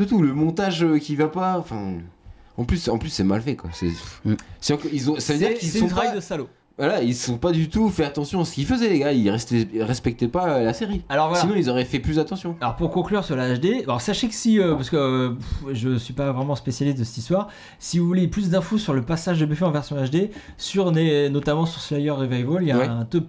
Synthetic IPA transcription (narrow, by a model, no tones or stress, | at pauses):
dət̪uləmɔ̃t̪aʒøkʲivapaɑ̃fɛ̃ | ɑ̃plysɑ̰̃plysːɛmalfɛkwa̰sɛ̰fsiɑ̃kilzɔ̃savəd̪ikisɛɔ̃t̪χaajd̪əsalo | vwalailsɔ̃pad̪yt̪ufɛat̪ɑ̃sjɔ̃asə̥kilfəzɛleɡailʁɛst̪ɛʁɛspɛk̚t̪ɛpaølaseʁialɔʁvwaslainɔ̃ilzɔʁɛfɛplysat̪ɑ̃sjɔ̃alɔʁpuʁkɔ̃klyʁsyʁlaːʃd̪easaʃekə̥siøpasə̥kəøʒəsɥipavʁɛmɑ̃spesjalist̪d̪əsɛ̥t̪i̥st̪waʁ | sivuvuleplys̬d̪ɛ̃fosyʁləpasaʒd̪əbefeɑ̃vɛʁsjɔ̃aʃd̪e | syʁnenɔt̪amɑ̃syʁslajœʁːevajvoljawɛɛ̃t̪up